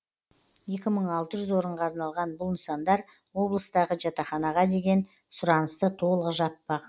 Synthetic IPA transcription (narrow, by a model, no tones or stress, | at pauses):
je̞kʲɪməɴɑlˠt̪əʒʏzwo̞ɾəɴʁɑːɾnɑlˠʁɑnbʊlˠnsɑnd̪ɑɾ | wo̞blˠəst̪ɑʁəʒɑt̪ɑχɑnɑʁɑd̪e̞ɡʲe̞n | sʊɾɑnəst̪ət̪ʰo̞lˠəqʒɑt̪̚pɑq